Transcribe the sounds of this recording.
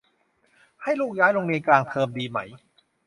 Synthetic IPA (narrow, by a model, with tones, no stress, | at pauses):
ha˥˩jluː˥˩k̚jaː˦˥jlo˧ŋliː˧nklaː˧ŋt̪ʰɤː˧mdiː˧ma˦˥j